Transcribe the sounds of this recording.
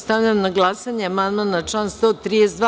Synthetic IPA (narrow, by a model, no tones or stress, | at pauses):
st̪avʎʲamnaɡlˠasaɲeamand̪manat͡ʃanst̪oːt̪ɾiːd̪esd̪ʋ